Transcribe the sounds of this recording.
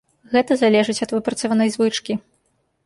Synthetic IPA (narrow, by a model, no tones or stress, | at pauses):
ɣɛt̪ɐzalʲɛʐɨt͡sʲɐt̪vɨpɾɐt̪sɐvanɐjzvɨt͡ʂkʲi